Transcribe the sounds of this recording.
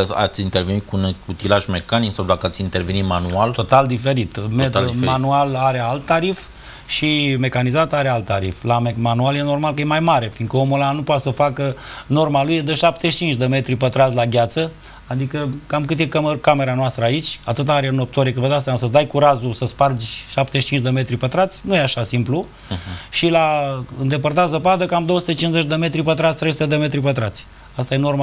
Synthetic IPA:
a̰t̪sʲint̪erve̞nit̪̚kunut̪ilaʒme̞kaniksawd̪akəat̪sʲint̪e̞rve̞nit̪manualt̪o̞t̪ald̪ife̞ɾit̪met̪manualaɾealt̪ːaɾif | ʃime̞kanizat̪aɾealt̪ːaɾiflamemanualje̞no̞rmalkəjemajmaɾe̞fiŋkəomulanupoat̪səfakəno̞rmalujed̪əʃap̚t̪eʃi̥t͡ʃint͡ʃd̪əme̞t̪ɾipət̪ɾazlaɡʲat̪sə | ad̪ikəkamkɨt̪ekkame̞ɾanoast̪ɾəait͡ʃʲat̪ɨt̪aaɾʲeno̞p̚t̪oɾikəvəd̪asʲamasəd̪ajkuɾazusəspard͡ʒʲʃapt̪e̞ʃit͡ʃint͡ʃʲd̪e̞me̞t̪ɾipət̪ɾat̪sʲnujeaʃasimplu | ʃilaɨnd̪e̞pərt̪azəpad̪əkamd̪oəsu̥t̪e̞t͡ʃinze̞t͡ʃʲd̪e̞me̞t̪ɾipət̪ɾat̪sʲt̪ɾejsut̪e̞d̪emet̪ɾipət̪ɾat̪sʲ | ast̪aje̞no̞rma

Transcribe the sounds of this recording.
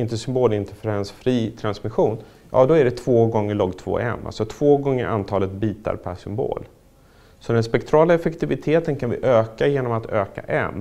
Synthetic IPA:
ɪnt̪əsʏmboːlɪnt̪əfəɾɛnsfɾiːt̪ʰɾansmɪɧuːn | jɑ̰ːd̪ɔæɖɛt̪ʰv̥oːɡɔŋːəɭɔɡt̪ʰvo̰ːʔɛ̰mːa̰lsɔt̪ʰv̥oːɡɔŋːəɾʔa̰nt̪ʰɑːlət̪̚biːt̪a̰ɾpʰæʂʏmbo̰ːl | sɔd̪ɛnspɛkt̪ʰɾɑːlaɛfɛkt̪ɪvɪt̪ʰeːt̪ənkʰanvɪ̰ʔøːkajeːnɔmat̪ʰøːka̰ʔɛ̰mː

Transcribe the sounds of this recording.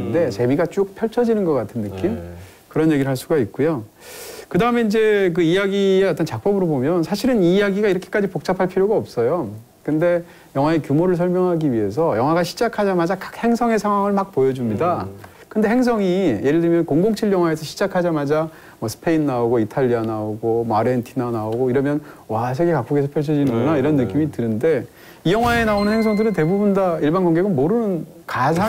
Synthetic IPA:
nde̞t͡ɕe̞miɡat͡ɕ͈uk̚pʰjʌɭt͡ɕʰʌd͡ʑinɯnɡʌk͈atʰɯnːɯk͈im | kɯɾʌnje̞ɡiɾɭɦaɭs͈uɡait̚k͈ujo | kɯdaɯme̞ind͡ʑe̞k̬ɯijaɡieat͈ʌnt͡ɕak̚p͈ʌbɯɾobomjʌnsʰaɕʰiɾɯniːjaɡiɡaiɾʌkʰe̥k͈ad͡ʑipok̚t͡ɕ͈apʰaɭpʰiɾjoɡaʌp̚s͈ʌjo | kɯnde̞ | jʌŋɦwaekjumoɾɯɭs̬ʰʌɭmjʌŋɦaɡiɥiɦe̞sʰʌjʌŋwaɡaɕʰi̥d͡ʑakʰad͡ʑamad͡ʑakḁk̚he̞ŋsʰʌŋe̞sʰaŋɦwaŋɯɭmak̚pojʌd͡ʑumɲida | kɯnde̞ɦe̞ŋs̬ʰʌŋije̞ɾɯɭdɯɭmjʌnkoŋɡoŋt͡ɕʰiɭjʌŋɦwae̞sʰʌɕʰi̥d͡ʑakʰad͡ʑamad͡ʑa | mʌsʰɯ̥pʰe̞inːaoɡoitʰaʎːianaoɡomaɾentʰinanaoɡoiɾʌmjʌnwas̬ʰeɡekak͈oɡesʰʌpʰjʌɭs̬ʰʌd͡ʑinɯŋɡʌnaiɾʌnːɯk͈imitɯnɯnde̞ | ijʌŋɦwae̞naonɯnheŋsʰʌŋdɯɾɯnte̞bubundaiɭbanɡʌŋɡeɡɯnmoɾɯnɯn | kasʰa

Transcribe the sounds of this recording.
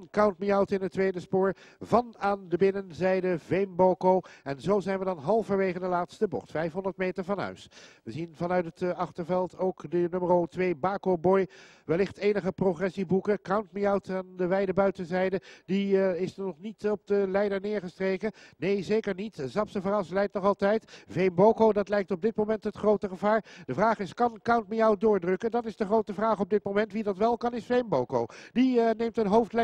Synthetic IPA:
nkawntmiawtɪnətːʋejdəspʊːɹvɑnaːndəbɪnənzɛjdəvejmbokowɛnzowzɛjnʋədɑnɦɑlˠfəɹʋejχəndəlaːtstəbɔ̰χtfɛjfɦɔndəɹt̚mejtəɹvɑnɦœ̰ɥsʋəzinvɑnœɥtətɑχtəɹvɛlˠtowkdənømərowtʋeːjbaːkowbɔj | ʋɛlɪχtejnəχəproχrɛsibukəkawntmiawtaːndəʋɛjdəbœɥtənzɛjdədiɪsnɔχnitɔb̚dəlɛjdəɹnɪːɹχəstrejkənejzejkəɹnitzɑpsəvəɾɑslɛjk̚tnɔχɑlˠtɛjtvejmbowkowdɑtlɛjk̚tɔb̚dɪt̚mowmɛntɦətχrowtəχəvaːɹd̥əvraːχɪskɑnkawntmijaw̚dʊːɹdrɵkəndɑtɪzdəχrowtəvraːχɔb̚dɪt̚mowmɛntʋidɑtʋɛlˠkɑnɪsfejmbowkowdinejmtənɦowftlɛ

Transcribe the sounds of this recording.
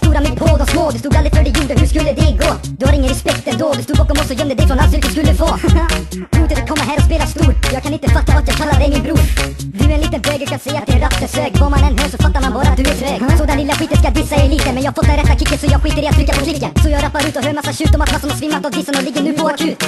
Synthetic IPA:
st̪uːɾamɛpʰoːd̪ɔsmoːd̪ʉst̪uːɡ̪dalɾɪ̥fœɖɪjuːɖəhʉʂkɵlːəd̪ɛɡoː | d̪ɵhad̪ɪŋːənɾɛspɛkt̪ɛnd̪oːd̪ʉst̪uːɡ̪̚bɑːkɔmɔsːɔjœmd̪əd̪ɛɪfɾɔnalʉt̪ːskɵlːəfoː | uːt̪ət̪kʰɔmːaɦæːɾɔspeːlast̪uːɾjɑːɡkʰanɪnt̪əfat̪ːavat̪jɑːɡkʰalːad̪ɛjmɪnbɾuːɾ | d̪ʉɛniːt̪ənbøːɡəɾkʰansɛjːat̪̚d̪ɛɛɾafːəsøːkvaɾmanɛnɦøːʂɔfat̪ːaɾmanbɑːɾat̪d̪ɵɛɾøːɡsɔd̪ɛnlɪlːaɧiːt̪ənskad̪ɪsːadɛjliːt̪əmɛnjɑːhafɔt̪d̪ɛnɾɛt̪ːakʰɪkːənsɔjɑːɡɧiːt̪əɾɪːat̪ʰːɾɪkːapʰɔkʰlɪkːasɔjɑːɡɾapːaɾʉ̟ːt̪ɔɦøːɾmasːaɕʉ̟ːt̪ɔmat̪masanasvɪmːat̪avd̪ɪsːənɔlɪɡːəɳʉ̟ːpʰɔakʰʉ̟ːt̪

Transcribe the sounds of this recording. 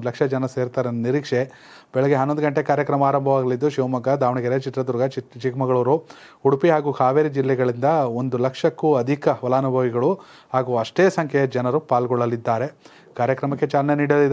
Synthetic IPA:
lɐkʂɐd͡ʒɐnɐseːɾt̪aːɾenniɾiːkʂe | bɛɭɛɡeɦɐnːond̪ɡɐɳʈekaːɾjɐkɾɐmaːɾɐmbʱɐʋaːɡɐlid̪ːuʃiʋɐmɐɡɐd̪ʱaːʋɐɳɐɡɐɾet͡ʃit̪ɾɐd̪uɾɡʱɐt͡ʃt͡ʃikmɐɡɐɭoːɾu | huɽupiɦaːɡuːkʰaːʋeːɾid͡ʒilːɛɡɐɭind̪ɐo̞nd̪ulɐkʂɐkːuɐd̪ʱikɐʋɐlaːnubʱɐʋiɡɐɭu | haːɡuːɐʂʈeːsɐŋkʰɛɐd͡ʒɐnɐɾupaːlɡɔɭːɐlid̪ːaːɾe̞ | kaːɾjɐkɾɐmɐkːet͡ʃaːlɐneniːɽɐlid̪

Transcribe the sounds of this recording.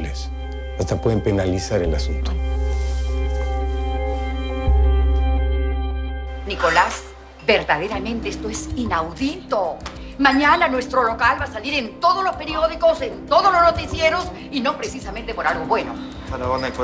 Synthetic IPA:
les | ast̪apweðempenalisaɾelasunt̪o̥ | niko̞las | be̞ɾðað̞e̞ɾamẽnt̪eest̪oesinawðit̪o̞ | mãɲananwe̞st̪ɾo̞lo̞kalβasaliɾe̞nt̪o̞ðozlo̞spe̞ɾio̞ðikosent̪o̞ðozloznot̪isje̞ɾo̞s | ino̞pɾe̞sisament̪e̞po̞ɾalɣo̞βwe̞no̞̰ | aɾaona

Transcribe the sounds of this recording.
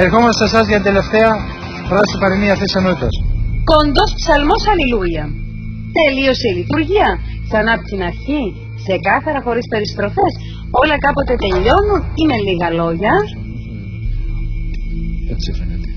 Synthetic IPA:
eɾxo̞mɐsesɐzʝɐt̪itd̪ele̞ft̪eɐ | pɾɐsipɐɾiniɐθisenot̪it̪ɐsko̞nd̪o̞spsɐlmo̞sɐlilujɐ | t̪e̞lio̞se̞ilit̪uɾʝiɐsɐnɐːpo̥t̪inɐɾçi | kse̞kɐθɐɾɐxo̞ɾispe̞ɾist̪ɾo̞fe̞s | o̞lɐkɐpo̞t̪e̞t̪e̞ʎo̞nunine̞liɣɐlo̞ʝɐ | et͡sifenet̪e̥

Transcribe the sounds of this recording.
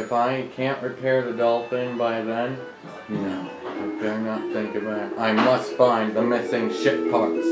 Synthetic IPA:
ɨfaɪkʰæ̃nʔɹipʰɛɹðɨdʌlˠθɪ̃ŋbaɪðɨ̃n | noʊ | aɪdɛɹnət̪̚θɪ̃ŋkɨvðɨɾaɪmʌstfãɪ̃nðəmɪsɪ̃ŋʃɪt̚pʰɑɹts

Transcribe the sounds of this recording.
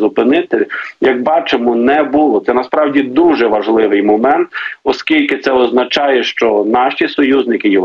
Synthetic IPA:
ʊpɪnɪt̪ɪjɐɡ̚bɑt͡ʃemɔnɛbulˠɔt̪sɛnɐspɾɑwdʲid̪uʒɛʋɐʒlˠɪʋɪjmɔmɛnt̪ɔskʲilʲkɪt̪sɛɔznɐt͡ʃɑjɛʃt͡ʃɔnɑʃisɔjuznɪkɪji

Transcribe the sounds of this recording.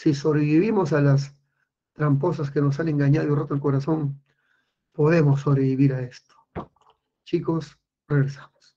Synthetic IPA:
siso̞βɾeβiβimo̞s̬alas̬ | t̪ɾampo̞saskenos̬anẽ̞ŋɡaɲað̞oirot̪oelkoɾaso̞n | po̞ðe̞mo̞sːoβɾe̞βiβiɾae̞st̪o̥ | t͡ʃiko̞s | reɣɾesḁmos

